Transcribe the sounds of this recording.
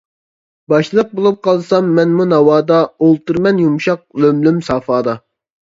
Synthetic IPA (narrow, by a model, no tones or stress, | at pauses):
bɑʃlˠəq̚bolˠup̚qʰɑlˠsɑmːɛnmunɑwɑːd̪ɑolˠt̪ɨɾmɛnjumʃɑq̚lømlymsɑːfɑːd̪ɑ